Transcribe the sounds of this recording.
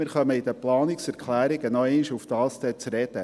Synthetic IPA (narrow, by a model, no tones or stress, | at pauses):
ɪɾχœməid̪əplɑːnɪksɛɾkχlæːɾɪɡənɔɛɪniʃuftɑːlst̪ət͡sɾɛd̥̪ə